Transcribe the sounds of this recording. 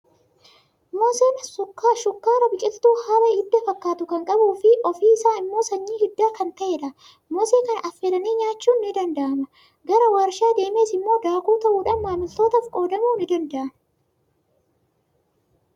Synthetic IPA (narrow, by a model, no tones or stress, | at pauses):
moːseːnsʊkːaːʃʊkːaːɾɐbɪt͡ʃʼɪlt̪uːhaːwɐɪd̪ːɐfɐkːaːt̪ʊkɐŋkʼɐbuːfɪʔɔfiːɪsaːnɪmːo̞ːsɐɲːiːhɪd̪ːaːkɐnt̪ɐʔeːᶑɐ | moːseːkɐnʔɐfːelɐniːɲaːt͡ʃːuːnːɪd̪ɐnd̪ɐʔɐmɐ | ɡɐɾɐwaːɾʃaːd̪e̞ːme̞ːsɪmːo̞ːd̪aːkuːt̪ɐʔuːᶑɐnmaːmɪlt̪o̞ːt̪ɐfkʼo̞ːd̪ɐmuːnɪd̪ɐnd̪ɐʔɐmɐ